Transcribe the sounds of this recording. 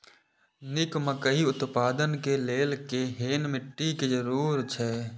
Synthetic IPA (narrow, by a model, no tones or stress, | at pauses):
nɪkməkəɦiʊt̪paːd̪ənkeleːlkeɦeːnmɪʈːikezəɾuːɾt͡ʃʰɛː